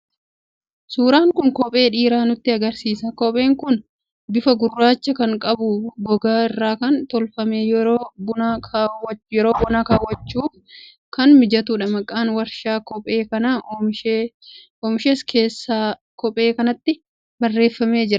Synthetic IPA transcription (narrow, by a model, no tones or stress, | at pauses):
suːɾaːŋkʊŋkɔpʼe̞ːᶑiːɾaːnʊt̪ːɪɐɡɐɾsiːsɐkɔpʼe̞ːŋkʊn | bɪfɐɡʊrːaːt͡ʃːɐkɐŋkʼɐbʊɡɔɡaːɪrːaːkɐnt̪ɔlfɐmeːjɛɾoːbʊnaawɐjɛɾo̞ːbɔnaːkaːwːɐt͡ʃːuːf | kɐnmɪd͡ʒɐt̪uːᶑɐmɐkʼːaːnwɐɾʃaːkɔpʼeːkɐna | ɔːmɪʃeːskʰeːsːaː | kɔpʼːe̞ːkɐnɐt̪ːɪ | bɐrːe̞ːfːɐme̞ːd͡ʒɪɾɐ